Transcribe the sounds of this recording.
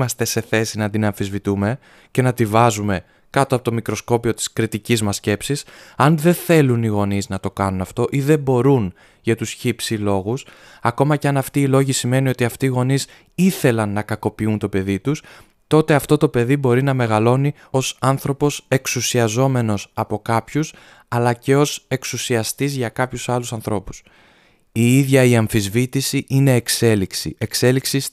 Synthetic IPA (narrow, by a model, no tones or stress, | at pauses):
mɐst̪e̞se̞θe̞sinɐd̪inɐɱfizvit̪ume̞ | ce̞nɐt̪ivɐzume̞ | kɐt̪oɐpot̪o̞mikɾo̞sko̞pio̞t̪i̥skɾit̪icizmɐsce̞psisɐnðe̞θe̞luniɣo̞niznɐt̪o̞kɐnunɐft̪o̞ʔiðe̞bo̞ɾun | ʝɐt̪usçipsilo̞ɣus | ɐko̞mɐcɐnɐft̪iːlo̞ʝisime̞nio̞t̪iɐft̪iːɣo̞nis | iθe̞lɐnːɐkɐko̞piunt̪o̞pe̞ðit̪us | t̪o̞t̪e̞ɐft̪o̞t̪o̞pe̞ðibo̞ɾinɐme̞ɣɐlo̞ni | o̞sɐnθɾo̞po̞se̞ksusiɐzo̞me̞no̞sɐpo̞kɐpçus | ɐlɐce̞o̞se̞ksusiɐst̪izʝɐkɐpçusɐlusɐnθɾo̞pu̥s | iiðʝɐiɐɱfizvit̪isiʔine̞ːkse̞liksḭʔe̞kse̞liksis